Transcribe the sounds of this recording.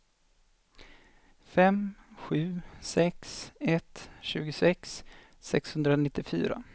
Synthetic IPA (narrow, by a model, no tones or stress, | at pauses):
fɛmɧʉ̟ːsɛksɛt̪ɕʉ̟ːɡʊsɛks | sɛkshɵnd̪ɾaɔnɪt̪ːɪfy̰ːɾa̰